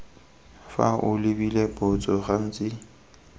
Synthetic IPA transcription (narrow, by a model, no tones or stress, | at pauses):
fa̰ʔʊlɪbilebʊt͡sʼɔχan̩ːt͡sʼɪ